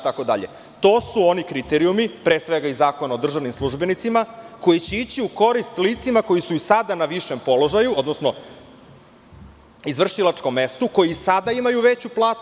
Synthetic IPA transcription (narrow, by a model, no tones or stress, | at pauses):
t̪ako̞d̪a̰ʎḛ | t̪o̞ːsuo̞nikɾit̪eɾiumipɾesʋe̞ɡaizaːko̞naod̪r̩ʒaʋnimslˠuʒbenit̪simako̞jit͡ɕeit͡ɕiuko̞ɾist̪lit̪simako̞jisuisad̪anaʋiʃempo̞lo̞ʒajuod̪nosno̞ | izʋr̩ʃilat͡ʃko̞mːe̞st̪uko̞jiisad̪aimajuʋet͡ɕuplˠaːt̪u